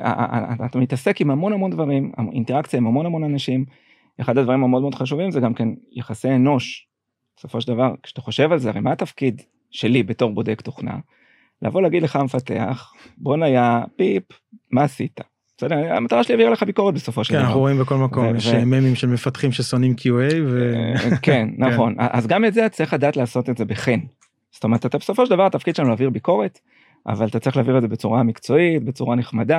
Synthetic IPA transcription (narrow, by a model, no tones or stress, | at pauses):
a̰a̰tatamit̪ase̞kimamo̞nhamo̞nd̪vaʁima̰ḭnt̪eakt͡sijaimhamo̞nhamo̞nanaʃim | eχadadvaʁimameodmeod̥̪χaʃ̬uvimzeɡamke̞njeχasieno̞ʃ | beso̞foʃeld̪avaʁkʃat̪aχo̞ʃe̞valzeaʁejmaat̪afkid | ʃe̞libeto̞ʁbo̞d̪e̞kt̪oχna̰ | lʔa̰vo̞leaːɡid̪leχamefat̪e̞̰a̰χ | bo̞najapip | maːsit̪ḁ | sedea̰mataʁaʃeliaviʁaleχabiko̞ʁet̪̚be̞so̞fo̞ʃelannaχuʁoimbeko̞lmakomjeʃveememimʃelmefat̪χimʃeso̞nimkʰjuejvekenːaχo̞na̰ʔa̰zɡametzeatt͡sʁiχadaːt̪laːso̞t̪eze̞beχen | z̥otome̞ʁetat̪abeso̞foʃeld̪avaʁat̪afkid̪̚ʃelanulaːviʁbiko̞ʁe̞t | a̰valt̪at͡sʁiχlaːviʁetze̞bet͡suʁamikt͡so̞it̚be̞t͡suʁaneχmada